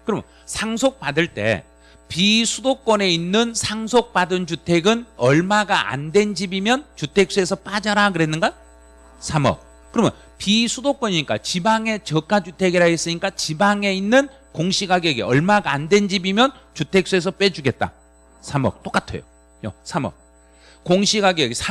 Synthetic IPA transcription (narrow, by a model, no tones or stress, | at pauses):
kɯɾʌmjʌ̰ | sʰaŋsʰok̚p͈adɯɭt͈e̞̰ | pisʰudok͈wʌne̞inːɯnsʰaŋsʰok̚p͈adɯnt͡ɕutʰe̞ɡɯnʌɭmaɡaʔa̰ndwe̞nd͡ʑibimjʌnt͡ɕutʰe̞k̚s͈ue̞sʰʌp͈ad͡ʑaɾakɯɾe̞nːɯnɡa | sʰamʌ̰k̚ | kɯɾʌmjʌn | pisʰudok͈wʌɲiɲik͈a̰t͡ɕibaŋe̞t͡ɕʌk͈ad͡ʑutʰe̞ɡiɾaes͈ɯɲik͈at͡ɕibaŋe̞inːɯn | koŋɕʰiɡaɡiɡeʌɭmaɡaːndwe̞nd͡ʑibimjʌnt͡ɕutʰe̞k̚s͈ue̞s̬ʰʌp͈e̞d͡ʑuɡe̞t̚t͈a̰ | sʰamʌ̰k̚t͈ok͈atʰḛjo̰ | jo̰sʰamʌ̰k̚ | koŋɕʰiɡaɡieɡesʰa